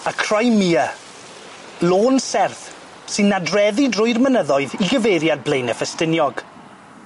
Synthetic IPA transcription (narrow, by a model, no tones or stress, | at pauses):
akʰr̥ajmiːə | loːnsɛrθ | sɨnːadrɛðidrʊjrmənəðɔɨðiɡəvejɾjadblejnəfəstɪnjɔɡ̥